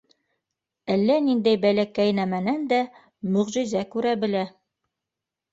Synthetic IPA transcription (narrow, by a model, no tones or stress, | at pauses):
ælːænind̪æjbælækæjnæmænænd̪æ | mɵ̆ʁʑɘ̆zækʉɾæbɘ̆læ